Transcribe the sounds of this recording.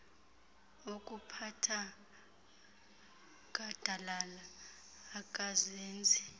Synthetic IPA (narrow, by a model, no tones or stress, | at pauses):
okʼupʰatʰa | ɡ̥ʱad̥ʱalalaː | kʼazeːnd͡zʱi